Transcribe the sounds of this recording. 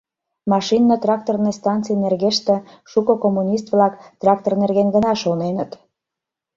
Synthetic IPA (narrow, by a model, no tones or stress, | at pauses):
mɑʃinːət̪rɑk̚t̪ornejst̪ɑnt͡sijnerɣeʃt̪ĕ | ʃukokomːunʲis̬t̪βlɑkt̪rɑk̚t̪ornerɣenɡənɑʃonenət̪